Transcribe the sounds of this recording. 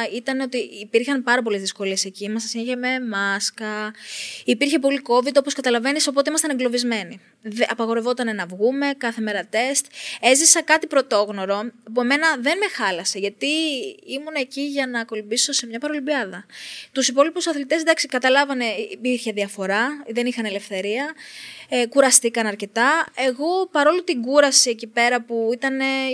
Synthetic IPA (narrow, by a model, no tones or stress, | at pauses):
it̪ɐneo̞t̪iːpiɾçɐnpɐɾɐpo̞le̞zðisko̞lie̞se̞ciimɐsɐsineçeme̞mɐskɐ | ipiɾçe̞po̞liko̞vid̪o̞po̞skɐt̪ɐlɐve̞niso̞pot̪eimɐst̪ɐneŋɡlo̞vizme̞ni | ðɐpɐɣo̞ɾe̞vo̞t̪ɐne̞nɐvɣume̞kɐθe̞me̞ɾɐt̪e̞st̪e̞zisɐkɐt̪ipɾo̞t̪o̞ɣno̞ɾo̞pue̞me̞nɐðe̞nme̞xɐlɐse̞ʝɐt̪iimuneːciʝɐnɐko̞libiso̞se̞mɲɐpɐɾo̞libiɐðɐt̪usipo̞lipusɐθlit̪e̞sd̪ɐksikɐt̪ɐlɐvɐne̞ipiɾçeðiɐfo̞ɾɐðe̞nixɐne̞le̞fθe̞ɾiɐ | kuɾɐst̪ikɐnɐɾce̞t̪ɐe̞ɣo̞pɐɾo̞lut̪iɡuɾɐsiecipe̞ɾɐpuit̪ɐne̞